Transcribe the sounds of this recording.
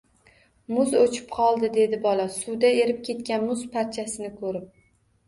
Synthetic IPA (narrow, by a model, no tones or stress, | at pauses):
mʊzot͡ʃʰɪ̥pqʰɒlˠd̪ɪd̪e̞d̪ɪbɒlasʊd̪ae̞ɾɪp̚kʲʰe̞t̪kʲanmʊzpʰaɾt͡ʃʰasɪnɪkʰɵɾɪp̚